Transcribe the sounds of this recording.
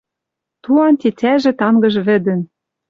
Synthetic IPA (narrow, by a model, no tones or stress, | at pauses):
t̪uɑnt̪et͡sʲæʒɘ̆t̪ɑŋɡɤ̆ʒβɘ̆d̪ɘ̆n